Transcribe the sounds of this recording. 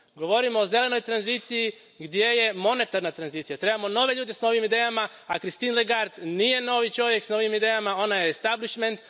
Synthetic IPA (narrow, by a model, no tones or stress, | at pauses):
ɡo̞ʋo̞ɾimo̞ːze̞le̞no̞jt̪ɾanzit̪siji | ɡd̪je̞je̞mo̞ne̞t̪aɾnat̪ɾanziːt̪sijat̪ɾe̞bamo̞no̞ʋe̞ʎuːd̪e̞sno̞ʋimid̪ejama | akɾist̪iːnlˠeɡaɾt̪nije̞no̞ːʋit͡ʃo̞ʋje̞ksno̞ʋimid̪ejamao̞najest̪abliʃment̪